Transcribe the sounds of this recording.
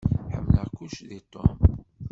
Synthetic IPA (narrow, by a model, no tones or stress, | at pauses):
ħə̰mːləʁkuʃðit̪ˤo̰m